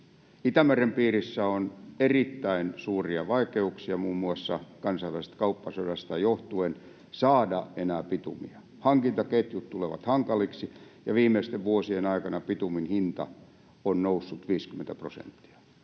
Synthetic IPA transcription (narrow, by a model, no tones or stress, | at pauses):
it̪æmærempiːrisːæonerit̪ːæinsuːriɑʋɑikeuksiɑmuːmːuɑsːɑkɑnsɑiʋæˑise̥t̪kɑupːɑsodɑst̪ɑjoht̪uen | sɑːdɑenæːpit̪ṵmḭɑ | hɑŋkint̪ɑket̪jut̪t̪uleʋɑ̰t̪hɑŋkɑliksijɑʋiːmˑeist̪eʋʋuosienɑikɑnɑpit̪uminhint̪ɑ̰ | onnousːut̪ʋiːskymːˑent̪æprosḛnt̪ːi̥ɑ̥